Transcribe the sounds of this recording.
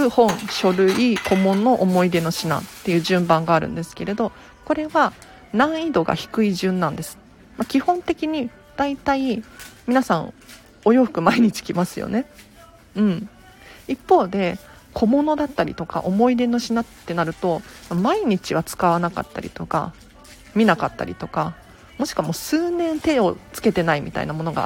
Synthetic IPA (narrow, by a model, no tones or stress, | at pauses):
ɯ̟hõ̞ɴ̃ɕo̞ɾɯ̟ikʰo̞mo̞nːo̞ʔomo̞id̪e̞no̞ɕina̰t̪ːe̞jɯ̟ːʑɨ̃mbãŋɡaːɾɯ̟̰̃nd̪e̞sɨ̥ke̞ɾe̞d̪o̞ | ko̞ɾe̞βa | nãɰ̃id̪o̞ɡa̰çi̥kɯ̟iʑɨ̃nːãnd̪e̞sɨ̥ | makʲihõ̞nt̪e̞kʲiɲ̟i | d̪̥ait̪aimʲinasãɰ̃ | o̞jo̞ɸɯ̟̥kɯ̟maiɲ̟it͡ɕi̥kʲimasɨjo̰ne̞ | ɯ̟̃ɴ | ipːo̞ːd̪e̞ | kʰo̞mo̞no̞d̪at̪ːaɾʲḭt̪o̞ka̰ʔo̞mo̞id̪e̞no̞ɕinat̪ːe̞naɾɯ̟t̪o̞mamaiɲ̟it͡ɕiβ̞at͡sɨ̥kaβ̞anaka̰t̪ːa̰ɾʲḭt̪o̞ka̰ | mʲinakat̪ːa̰ɾʲḭt̪o̞ka | mo̞ɕi̥kɯβamo̞ːsɨːnẽ̞nt̪e̞o̞t͡sɨ̥ke̞t̪e̞naimʲḭt̪a̰ḭnamo̞no̞ɡa̰